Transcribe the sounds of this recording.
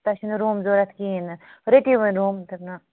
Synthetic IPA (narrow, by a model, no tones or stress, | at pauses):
t̪ɐʃinɾuːmzoːɾɐt̪ʰkinɾeʈiʋɐɾuːmt̪ɐpna